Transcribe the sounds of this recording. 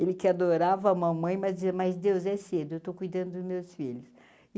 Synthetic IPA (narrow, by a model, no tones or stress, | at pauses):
elɪkɪad̪oɾavɐaũmɐ̃mɐ̃j̃mɐzd͡ʒizɐmɐzd̪ewzɛsed̪ʊewt̪okujd̪ɐ̃nd̪ʊd̪ʊzmewsfiʎʊs